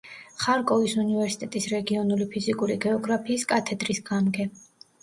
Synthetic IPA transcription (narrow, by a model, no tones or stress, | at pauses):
χaɾkʼɔvisunivɛɾsi̥t̪ʼɛt̪ʼisɾɛɡiɔnulipʰizikʼuɾiɡɛɔɡɾapʰiːskʼat̪ʰɛd̪ɾisɡamɡɛ